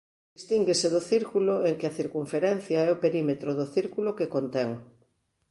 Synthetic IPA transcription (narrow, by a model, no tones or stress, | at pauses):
d̪ist̪iŋɡeseðoθiɾkuloeŋkeaθiɾkuɱfeɾɛn̟θjaɛopeɾimet̪ɾoðoθiɾkulokekont̪eŋ